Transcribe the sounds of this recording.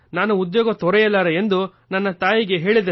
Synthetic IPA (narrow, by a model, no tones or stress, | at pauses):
naːnuud̪joːɡɐt̪ɔɾɛjɐlːaːɾeend̪u | nɐnːɐt̪aːjiɡe̞ɦe̞ːɭid̪e